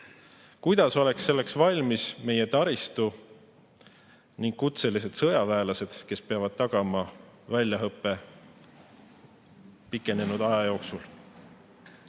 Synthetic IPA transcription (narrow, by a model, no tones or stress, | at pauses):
kujd̪̥ɑso̞le̞ksːe̞lːe̞ksvɑlʲmisme̞je̞t̪ɑɾist̪u | niŋɡkut̪se̞lis̬e̞d̪̥sɤjɑvæːlɑse̞d̪̥ke̞speɑvɑd̪̥̚t̪ɑɡ̥ɑmɑvælʲjɑɦɤpːˑe̞ | pikːˑe̞ne̞nud̪̥ɑjɑjo̞ːksul